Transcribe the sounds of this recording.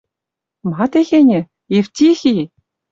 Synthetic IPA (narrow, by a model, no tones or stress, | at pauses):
mɑt̪ʲeɣʲenʲɘ̆ | efʲt̪ʲixʲi